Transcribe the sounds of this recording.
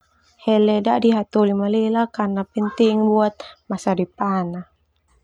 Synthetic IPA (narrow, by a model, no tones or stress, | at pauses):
hɛlɛdaʔdiɦat̪ulimalilakarnapɛnt̪iŋbuat̪̚masadipana